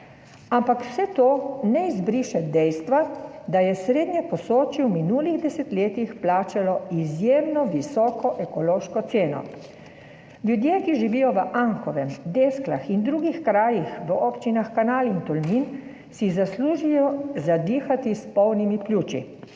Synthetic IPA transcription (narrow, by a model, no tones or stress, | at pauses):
ampakw̥sɛt̪oːnɛizbɾiːʃɛd̪ɛjst̪ʋad̪ajɛsɾeːd̪ɲɛpɔsoːt͡ʃiwminuːliɣd̪ɛsɛt̪leːt̪ixplaːt͡ʃalɔizjeːmnɔʋisɔːkɔʔɛkɔloːʃkɔt̪seːnɔ̰ | lʲjud̪jeːkiʒiʋijɔʋəʔaŋkɔʋɛmd̪eːsklaxind̪ɾuːɡixkɾaːjixʋəɔpt͡ʃinaxkanaːlint̪ɔlmin | sizasluʒijɔzad̪iːxat̪ispɔwnimiplʲuːt͡ʃḭ